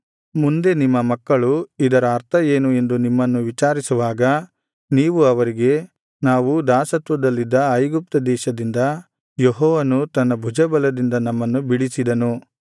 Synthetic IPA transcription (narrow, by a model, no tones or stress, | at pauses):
mund̪e̞nimːɐmɐkːɐɭuid̪ɐɾɐːɾt̪ʰɐe̞ːnue̞nd̪unimːɐnːuʋit͡ʃaːɾisuʋaːɡɐ | niːʋuɐʋɐɾiɡe̞ | naːʋud̪aːsɐt̪ʋɐd̪ɐlːid̪ːɐɐjɡup̚t̪ɐd̪ɛːʃɐd̪ind̪ɐ | jeɦɔːʋɐnut̪ɐnːɐbʱud͡ʒɐbɐlɐd̪ind̪ɐnɐmːɐnːubiɽisid̪ɐnu